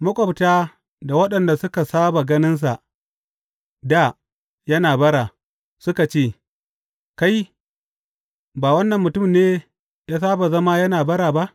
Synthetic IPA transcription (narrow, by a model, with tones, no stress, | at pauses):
mʊ˦kʷʼɔ˨btaː˦ | da˨wɐ˦ɗɐ˨nda˨sʊ˦ka˨saː˦ba˨ɡɐ˦nɪ˦ns̬a˨ʔ | da˦˨ | jɐ˦naː˨bɐ˦ɽaː˨ | sʊ˦ka˨t͡ʃeː˦˨ | ka˦j | baː˨wɐ˦nːɐ˨mːʊ˨tʊ˦mneː˦ | jaː˦saː˦ba˨zɐ˦ma˦jɐ˦naː˨bɐ˦ɽaː˨ba˦ʔ